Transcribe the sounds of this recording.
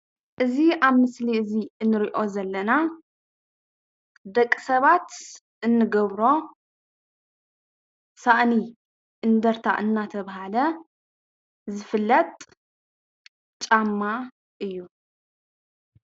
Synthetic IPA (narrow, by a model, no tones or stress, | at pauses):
ʔɨziaβmɨsliɨziɨnːɨɾiʔo̞zɐlːɐna | d̪ɐkʼːisɐβat̪ | ʔɨnːɨɡɐβɾo̞ | saʔni | ʔɨnd̪ɐɾt̪ʰa̰ʔɨnːat̪ʰɐβhalɐ | zɨfɨlːɐt̪ʼ | t͡ʃʼamːa | ʔɨjːu